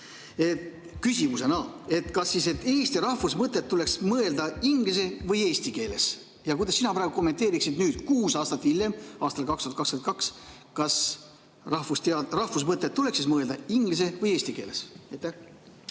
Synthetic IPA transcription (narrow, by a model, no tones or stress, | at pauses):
e̞t̪ | kysʲimuse̞nɑe̞t̪kɑsːise̞t̪ːeːsʲt̪iɾɑhvusmɤt̪ːˑe̞t̪ːule̞ksmɤe̞ld̪ɑiŋɡ̥lis̬e̞vɤje̞ːst̪ike̞ːle̞s | jɑkujd̪ɑsːinɑpɾɑːɡuko̞mːet̪eːɾiksid̪nyːd̪̥kuːsɑːst̪ɑt̪ːiljemɑːst̪ɑlkɑkst̪uɑt̪kɑst̪ːkenkɑks | kɑs | ɑhfust̪ɑrɑhvus̬mɤt̪ːet̪ːule̞ksismɤe̞ld̪ɑiŋɡlis̬e̞vɤje̞ːsʲt̪ike̞̰ːle̞sejt̪ːæh